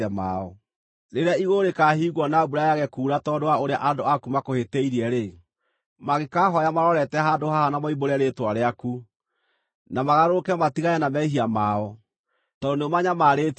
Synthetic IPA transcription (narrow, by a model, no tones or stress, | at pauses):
ɛma̰ɔ | ɾeɾeaiɣoɾekaɦiːɣwɔnabuɾajaɣɛkuːɾatɔdowaoɾeaʔadoakumakohetɛiɾiɛɾe | maɣekaɦɔjamaɾɔɾɛtɛɦadohahanamɔiboɾɛɾetwaɾeaku | namaɣaɾokɛmatiɣaɛnamɛiɦiamaːɔ | tɔdoneomaɲamaːɾet